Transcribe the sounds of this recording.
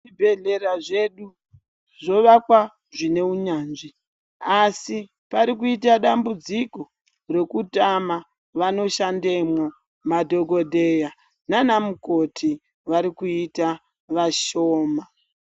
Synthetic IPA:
ibʱeɮe̞ɾaʐe̞ɗu | ʐo̞ʋakwa | ʐine̞uɲaːnʐi | asi | paɾikuitaɗambud͡ziko̞ | re̞kutama | ʋano̞ʃandemwo | madʱo̞ɡo̞dʱeja | nanamuko̞tʰi | ʋaɾikuita | ʋaʃo̞ːma

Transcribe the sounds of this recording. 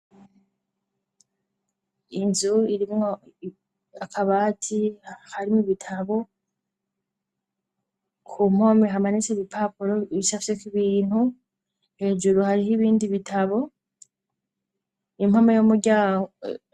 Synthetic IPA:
inzuiɾim | akʰaβatʰihaɾimuβitʰaβo̞ | kʰum̥ho̞ːmeɦamanit͡seβipʰapuɾo̞iβisafi̥sekiβiːn̥hu | he̞ːd͡ʒuɾuhaɾiɦiβiːndiβitʰaβo̞ | im̥hamajomuɾɟaː

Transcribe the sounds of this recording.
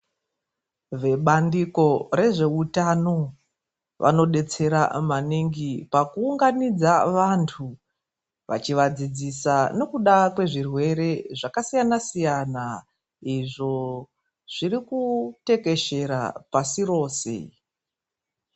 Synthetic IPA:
ʋe̞ɓandiko̞re̞ʐe̞utano̞ | ʋʔa̰no̞ɗe̞t͡se̞ɾa̰maniŋɡipakuːŋɡanid͡zaʋantʰu | ʋa̰t͡ʃiʋad͡zid͡zisane̞kuɗakwe̞ʐirwe̞ɾe̞ʐakasijanasijana | iʐo̞ | ʐ̥iɾikute̞ke̞ʃe̞ɾa̰pasiro̞ːse̞̰

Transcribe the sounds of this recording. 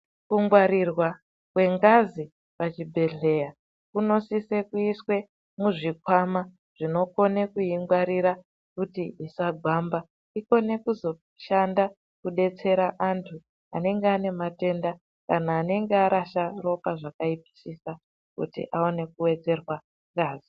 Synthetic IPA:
kuŋɡwaɾirwa | kwe̞ŋɡazi | pat͡ʃibʱe̞ɮe̞ja | kuno̞sise̞kuiswe̞ | muʐikwama | ʐ̥ino̞ko̞ne̞kuiŋɡwaɾiɾa | kutiisaɡʱwamba | iko̞ne̞kuzo̞ | ʃanda | kuɗe̞t͡se̞ɾaʔantʰu | a̰ne̞ŋɡeane̞mate̞nda | kanaːne̞ŋɡeaɾaʃaro̞paʐakaipi̥sisa | kṵtḭʔaone̞kuwe̞d͡ze̞rwa | ŋɡaːzi

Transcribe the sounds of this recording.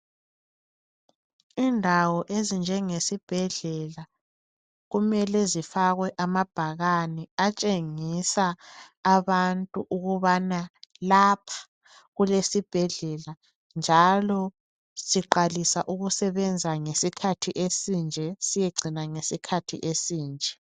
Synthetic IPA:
indʱawɔʔezind͡ʒʱɛŋesib̥ʱɛɮɛla | ɣumɛlɛzifaɣwɛʔamab̥ʱaɣanɛat͡ʃʼeŋisaː | βantʼuʔuɣuβanalapʰḁ | ɣulesib̥ʱɛɮɛla | nd͡ʒʱalɔ | siǃalisaʔuɣusɛβɛnd͡zʱaŋesikʰatʰiʔesind͡ʒʱɛsijeɡ͡ǀʱinaŋesikʰatʰḭʔesiːnd͡ʒʱɛ

